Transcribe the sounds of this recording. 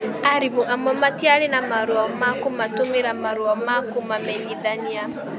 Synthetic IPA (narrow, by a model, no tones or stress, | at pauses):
aɾimoʔamɔmatiaɾenamaɾwɔmakomatomeɾamaɾwɔmakomamɛɲiðaɲia